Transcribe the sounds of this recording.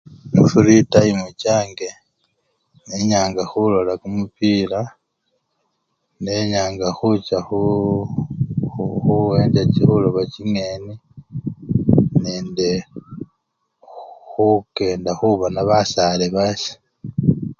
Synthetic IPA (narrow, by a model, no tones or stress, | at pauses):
mufuɾitaimut͡ʃaːŋɡe̞ | neɲaːŋɡaxulolakumupila | ne̞ɲaːŋɡaxut͡ʃaxu | xuweːɲd͡ʒat͡ʃixuloβaciŋeːni | neːnde | xuke̞ːndaxuβanaβasaleβasi̥